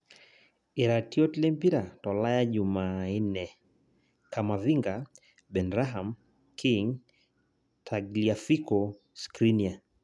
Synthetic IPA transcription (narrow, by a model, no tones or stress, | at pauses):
iɾatiɔtilɛmpiɾatɔlajaʄumaɛnɛ | kamaviŋɡa | bɛnɾaɦam | kʰiŋ | tʰaɡliafikɔ | skɾinia